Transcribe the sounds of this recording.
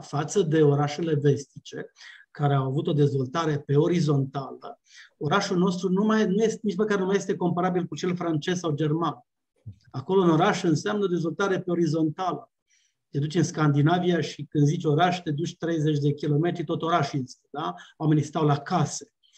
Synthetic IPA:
fat̪səd̪e̞o̞ɾaʃe̞le̞ve̞st̪it͡ʃe̞kaɾeawavut̪o̞d̪e̞zvo̞lt̪aɾe̞pe̞o̞ɾizo̞nt̪alə | o̞ɾaʃulno̞st̪ɾunumajnujest̪̚mit͡ʃməkaɾenumajest̪e̞ko̞mpaɾabilkut͡ʃe̞lfɾant͡ʃe̞z̥sawd͡ʒe̞rman | ako̞lo̞uno̞ɾaʃɨnseamnəo̞d̪e̞zvo̞lt̪aɾe̞pe̞o̞ɾizo̞nt̪alə | t̪e̞d̪ut͡ʃʲɨnskand̪inavijaʃikɨnd̪zit͡ʃo̞ɾaʃt̪e̞d̪ut͡ʃʲt̪ɾe̞jze̞t͡ʃʲd̪e̞kʲilo̞me̞t̪ɾit̪o̞t̪o̞ɾaʃinsd̪awame̞nist̪awlakase̥

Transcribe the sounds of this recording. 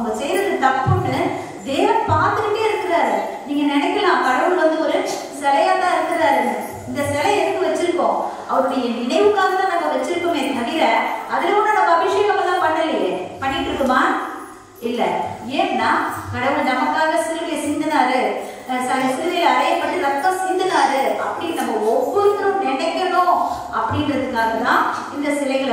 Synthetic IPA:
ɐmbɐsɛjɾɐðɯt̪ɐpːɯʈːɯ | d̪eːʋɐmpaːɾt̪ɯɾɯpeːɪɾɯkːɯɾaːɾɯniːŋɡɐnɛnɛkːɪlɛnãːkɐɽɐʋɯɭʋɐnd̪ɯɔɾɯ | sɛlɐjaːt̪ãːɪɾɯkːɯɾɐðaːɪɾɯnd̪ɯ | ɪnd̪ɐsɛlɐɛðɯk̪ːɯʋɐt͡ʃːɪɾɯkːõ̰ː | ɐʋɐɾɯɽɪjɐnɪnɐɪʋɯkːaːɣɐt̪ãːnɐmːɐʋɛt͡ʃːɪɾɯkːɯmenːɐmɐðilɐɐðɯlɐɔɳːoːɽɐbɐʋɪʂɐjɐmɐmːɐt̪ãːpɐɳːɐlɐjɐpɐɳːɪʈːɾɯkːɯmaː | ɪlːɛeːnnːaːkɐɽɐʋɐlɐnɐmɐkːaːɣɐsɪlɐɽɐjɐsɪnd̪ɐnaːɾɯ | sɐlɐsuðɐlɐɐɾɐjɐpːɐʈːɯɾɐt̪ːɐ̃sɪnd̪ɐnaːɾɯɐpːɐɽɪɐnɐmːɐɔpːuɾɪk̪ːɯɾõkɛɳɐkːɐɽõ | ɐpːɐɽɪnɪɾɐðɯŋaːɣɐt̪ãː | ɪnd̪ɐsɪlɐɪɣɐɭ

